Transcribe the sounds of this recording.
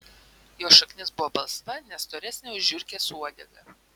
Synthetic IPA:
joːʃɐknʲɪsbʊʋɔːbɐlˠst̪ɐnʲɛst̪oːɾʲɛsʲnʲeʊʒʲʊɾʲkʲeːsuɔd̪ʲɛɡɐ

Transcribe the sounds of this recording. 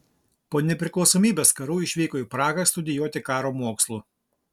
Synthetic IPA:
poːnʲɛpʲɾʲɪklˠɒʊsoːmʲiːbʲeːskɐɾuːɪʃʲʋʲɛɪkoːjuːpɾɑːɡɐsʲt̪ʊd̪ʲɪjuɔt̪ʲɪkɑːɾoːmoːkslˠuː

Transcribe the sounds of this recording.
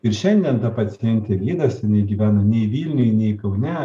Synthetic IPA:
ɪɾʃʲɛnʲd̪ʲiɛnt̪ɐpɐt͡s̪ʲɪjɛnʲt̪ʲeːlʲiːd̪ɐsʲɪnɐɪɡʲiːʋʲæːnɐnʲɛɪʋʲiːlʲnʲʊjnʲɛɪkɐʊnʲæː

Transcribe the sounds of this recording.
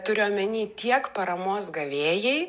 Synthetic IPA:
t̪ʊɾʲɪoːmʲɛnʲiːt̪ʲiɛkpɐɾɐmoːsɡɐʋʲeːjɛɪ

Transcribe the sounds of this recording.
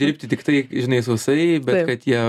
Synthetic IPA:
dʲɪɾʲpʲt̪ʲɪt̪ʲɪkt̪ɐɪʒʲɪnɐɪsʊʋʲɪsɐɪbʲɛkɐt̪jiɛ

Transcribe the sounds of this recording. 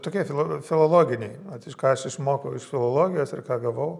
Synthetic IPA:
t̪oːkʲiɛfʲɪlˠfʲɪlˠoːlˠoːɡʲɪnʲɛɪɐt̪ɪʃkɑːɐʃɪʃmoːkɐʊɪʃfʲɪlˠoːlˠoːɡʲɪjoːsɪrkɑːɡɐʋɐʊ

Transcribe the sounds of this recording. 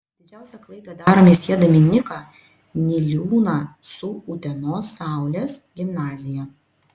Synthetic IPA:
d̪ʲɪd͡ʒʲæˑʊsʲɛklˠɐɪd̪od̪ɑːɾoːmʲiːsʲiɛd̪ɐmʲɪnʲɪkɑ | nʲɪlʲuːnɑːsʊʊt̪ʲɛnoːsːɑˑʊlʲeːsɡʲɪmnɑːzʲɪjɛ

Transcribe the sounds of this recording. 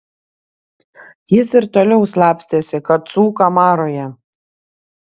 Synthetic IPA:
jɪsɪɾt̪oːlʲɛʊslˠɑːpʲsʲt̪ʲeːsʲɪkɐt̪suːkɐmɑːɾoːjɛ

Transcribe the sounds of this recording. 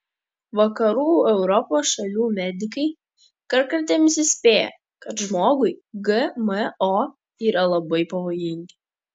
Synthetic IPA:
ʋɐkɐɾuːɛʊɾɔpoːsʃɐlʲuːmʲɛd̪ʲɪkɐɪ | kɐɾkɐɾʲt̪ʲɛːmʲɪsʲɪsʲpʲeːjɛ̰ | kɐt̪ʒmoːɡʊɪɡɨməo | iːɾɐlˠɐbɐɪpɐʋoːjɪŋʲɡʲɪ

